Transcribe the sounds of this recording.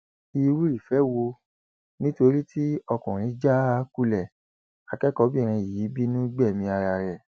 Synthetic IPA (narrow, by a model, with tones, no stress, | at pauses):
i˧wu˦ɾi˦˨fɛ˨˦wo˧ | nĩ˦to˧ɾi˦tʰi˦ɔ˧kũ˨ɾ̃ĩ˨˦d͡ʒa˦a˨˦ku˦˨lɛ˨ | a˨kɛ˦kɔ˧˦bi˦˨ɾ̃ĩ˧i˨ji˨˦bi˦nũ˦ɡ͡bɛ˦˨mĩ˧a˧ɾa˧˨ɾɛ˨